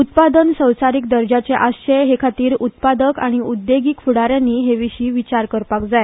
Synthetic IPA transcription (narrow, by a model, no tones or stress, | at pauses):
ut̪̚pad̪ənsə̃wsaɾikd̪əɾd͡ʑat͡seʔaɕeɦekʰat̪iːɾut̪̚pad̪əkaɽ̃iud̪ːeɡiːkfuɽaɾjãnːiːɦeʋiɕiːʋit͡ɕaɾkəɾpakd͡zaj